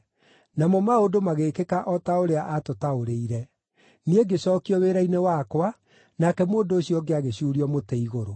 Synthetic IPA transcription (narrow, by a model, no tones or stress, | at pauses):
namɔmaodomaɣeːkekaʔɔtaoɾeaʔatotaoɾeiɾɛ | nieɡesɔːkiɔweːɾainewakwa | nakɛmoːndoːɕijɔɡeaɣeɕuːɾiɔmotɛiɣoɾo